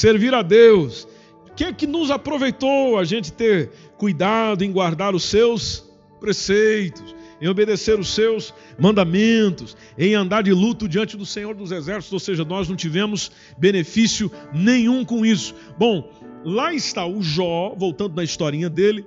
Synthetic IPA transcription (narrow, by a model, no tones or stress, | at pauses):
seɾviɾɐd̪ews | kekɪnʊzapɾovejt̪owaʒẽnt͡ʃɪ̥t̪eɾ | kujd̪ad̪ʊẽj̃ɡwaɾd̪aɾʊsews | pɾesejt̪ʊsẽj̃obed̪eseɾʊsewz | mɐ̃nd̪amẽnt̪ʊs | ẽj̃ɐ̃nd̪aɾd͡ʒɪlut̪ʊd͡ʒiɐ̃nt͡ʃɪd̪ʊsẽɲoɾd̪ʊzɛzɛɾsit̪zowseʒɐnɔznɐ̃w̃t͡ʃivẽmʊs | benefisjʊnẽj̃ũkõisʊ̥ | bõw̃ | laɪst̪aʊʒɔvowt̪ɐ̃nd̪ʊnɐist̪ɔɾĩɲɐd̪elɪ